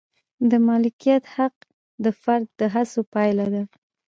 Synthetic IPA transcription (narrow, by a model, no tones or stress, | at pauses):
d̪əmɑlɪkijat̪haq | d̪əfaɾd̪ːəɦasopɑjlad̪a